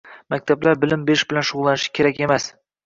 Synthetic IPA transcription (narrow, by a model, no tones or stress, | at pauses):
makʲt̪ʰablaɾbɪlɪmbeɾɪʃbɪlanʃʊʁʊlˠːanɪʃɪ̥kʲʰe̞ɾakʲe̞mas